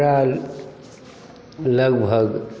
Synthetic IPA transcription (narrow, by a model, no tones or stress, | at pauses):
ɾa | ləɡbʱəɡ